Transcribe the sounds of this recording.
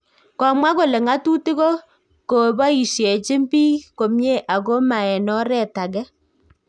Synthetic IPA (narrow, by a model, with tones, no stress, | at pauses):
kɔ˨mwa˦ko˨le˨ŋa˦tu˦ti˦ko˦ | ko˨bɔ˦i˨ʃje˨t͡ʃɪ˦mbiː˦ko˨mɲe˦ʔa˨ko˦ma˨ɛ˨nɔ˦ɾɛ˦˨ta˨ɡɛ˦